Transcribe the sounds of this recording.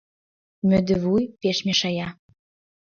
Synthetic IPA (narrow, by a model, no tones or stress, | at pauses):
mød̪ɘ̆vujpeʃmeʃɑjɑ